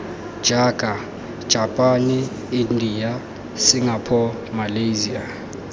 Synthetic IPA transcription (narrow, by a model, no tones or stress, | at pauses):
d̥ʒ̥ʱaɡ̥ʱa | d̥ʒ̥ʱapʼani | indʱija | siŋapʰɔ | malejzia̰